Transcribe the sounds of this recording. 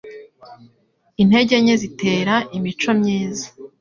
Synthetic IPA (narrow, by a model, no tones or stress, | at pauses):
in̥e̞ɟe̞ɲe̞zite̞ːɾaʔimit͡ʃo̞mɲiːzḁ